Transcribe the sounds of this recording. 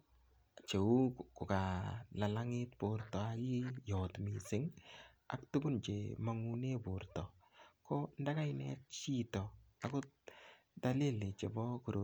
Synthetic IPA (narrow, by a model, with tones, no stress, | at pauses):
t͡ʃe˨u˦ku˨ka˨la˨la˦ŋɪ˦t̚po˨rtɔ˨a˦ki˦jɔ˨tmi˨sɪ˦ŋ | a̰˦ktu˦ɡu˦nt͡ʃe˨ma˨ŋu˦ne˦po˨rtɔ˨ | ko˦nda˦ka˦jnɛ̰t̚t͡ʃi˦tɔ˨a˨ko˦t | da˦li˦lɪ˨t͡ʃe˨bɔ˦ku˨ɾo˨